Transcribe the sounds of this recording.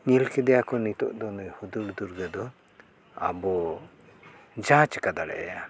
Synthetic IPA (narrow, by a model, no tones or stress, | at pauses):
ɲilkɛd̪ɛjakɔnit̪ɔ̰ʔd̪ɔnɔjhud̪uɽd̪uɾɡad̪ɔ | a̰bɔ | d͡ʒãt͡ʃkad̪aɽɛ̰ʔja